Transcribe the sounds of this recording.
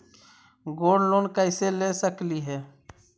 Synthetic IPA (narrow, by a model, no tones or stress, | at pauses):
ɡoːɖloːnkəɪselesəkliɦɛː